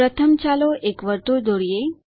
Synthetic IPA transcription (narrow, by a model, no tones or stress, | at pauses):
ɾət̪ʰəmt͡ɕaloʔekʋəɾt̪ud̪oɽije